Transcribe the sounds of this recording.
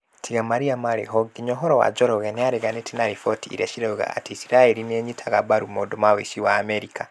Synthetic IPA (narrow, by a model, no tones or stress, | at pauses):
tiɣamaɾiamaɾḛɦɔɡiɲɔɦɔɾɔwa̰d͡ʒɔɾɔɣɛneaɾeɣanetʰinaɾifɔtiḭɾɛʃiɾɛuɣa̰a̰tiisiɾaɛɾineɛɲitʰaɣabaɾumoːndomaweʃiwaːmɛɾika